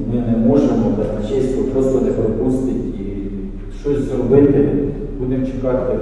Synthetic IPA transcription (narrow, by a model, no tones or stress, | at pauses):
mɪnɛmɔʒemɔt̪ɐnɐt͡ʃɛsʲkɔpɾɔslˠɐd̪ɪpɔpust̪ɪtʲi | ʃt͡ʃɔsʲzrɔbɪt̪ɪ | b̥ud̪emt͡ʃekɑt̪ɪ